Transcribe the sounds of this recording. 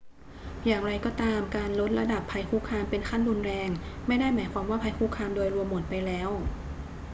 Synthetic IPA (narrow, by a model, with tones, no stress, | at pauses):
jaː˨˩ŋɾa˧jkɔː˥˩t̪aː˧mkaː˧nlo˦˥t̪̚ɾa˧da˨˩pʰːa˧jkʰuː˥˩kʰaː˧mpe˧nkʰa˥˩nɾu˧nɾɛː˧ŋma˥˩jdaː˥˩jmaː˩˦jkʰwaː˧mwaː˥˩pʰa˧jkʰuː˥˩kʰaː˧mdoː˧jɾu˧əmːo˨˩t̪̚pa˧jlɛː˦˥w